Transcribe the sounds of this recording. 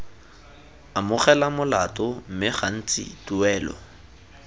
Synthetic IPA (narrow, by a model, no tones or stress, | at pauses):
amʊχɛlamʊlatʼɔm̩mɪχan̩t͡sʼɪ̰tuɛːlɔ̰